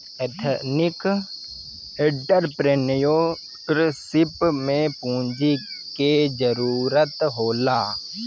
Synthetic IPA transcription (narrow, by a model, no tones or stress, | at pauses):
et̪ʰnɪk | ɪɖəɾpɾenjoː | ɾsɪpmẽpũːɲd͡ʒiked͡ʒəɾuːɾət̪ɦoːlaː